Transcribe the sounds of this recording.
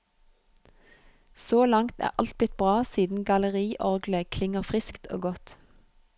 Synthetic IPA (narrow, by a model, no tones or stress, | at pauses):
soːlɑŋt̪æ̰ːʁʔɑlt̪̚blɪt̪̚bʁɑːsiːd̪n̩ɡɑləʁiːʔɔʁɡləkʰlɪŋəʁfʁɪskt̪ʰo̰ːɡɔt̪